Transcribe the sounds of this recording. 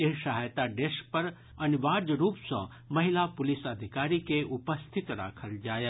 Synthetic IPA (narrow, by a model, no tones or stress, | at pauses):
eɦʃaɦajt̪aɖeʃk̚pɐɾ | ɐniʋaːd͡ʒɾuːpsɐ̰̃ | mɐɦɪlapʊlɪsəd̪ʱɪkaːɾikeʔʊpəst̪ʰɪt̪ɾa̰ːkʰəld͡ʒaːje